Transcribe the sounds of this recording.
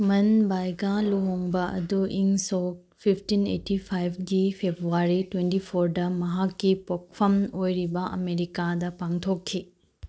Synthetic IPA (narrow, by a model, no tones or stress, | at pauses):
mɐnbajɡaluɦoŋbɐʔɐ̰duʔiŋsok̚pʰipʰtinḛtipʰajb̚ʰɡipʰebɾuaɾitwentipʰoɾdɐmɐɦakːipok̚pʰɐmojɾibɐʔɐ̰meɾikadɐpaŋtʰokʰːi